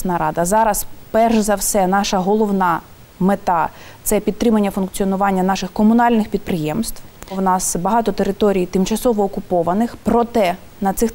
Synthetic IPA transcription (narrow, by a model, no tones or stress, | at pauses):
snɐɾɑd̪ɐzɑɾɐspɛrʒzɐwsɛnɑʃɐɦɔlˠɔwnɑ | met̪ɑt̪sɛpʲid̪̚ɾɪmɐnʲːɐfʊnkt͡sʲiɔnʊʋɑnʲːɐnɑʃɪxkɔmʊnɑlʲnɪxpʲid̪̚pɾɪjɛmst̪ʋwwnɑsbɐɦɑt̪ɔt̪eɾɪt̪ɔɾʲijt̪ɪmt͡ʃɐsɔʋɔːkʊpɔʋɐnɪxpɾɔt̪ɛ | nɐt̪sɪx